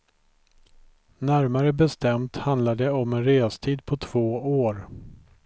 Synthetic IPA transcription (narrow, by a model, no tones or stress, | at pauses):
næɾmaɾəbɛst̪ɛmt̪hand̪lad̪ɛɔmɛnɾeːst̪ʰiːd̪pʰɔt̪ʰv̥oːoːɾ